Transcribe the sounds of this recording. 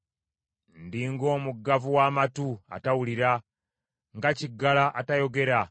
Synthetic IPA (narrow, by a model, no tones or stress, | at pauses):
ndiːŋɡo̞ːmuɡːavuwaːmatua̰tawuliɾa | ŋɡaciɡːalaʔatajo̞ɡe̞ɾa